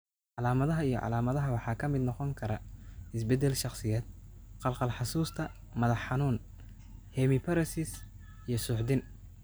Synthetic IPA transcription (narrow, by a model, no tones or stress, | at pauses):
ʕɑlaːmɐðɐɦɐijɞ̰ʕɑ̰laːmɐðɐɦɐwɑħɑːkʰɐmɪd̪nɔqɔŋkʰɐɾɐɪsbɛd̪ɛlʃɑχsɪjɛːd̪̚ | qɑlqɑlħɑsuːst̪ʰɐ | mɐðɑħːɑnuːn | hɛmɪpʰɐɾɐsɪs | ijɞsʊːħd̪ɪn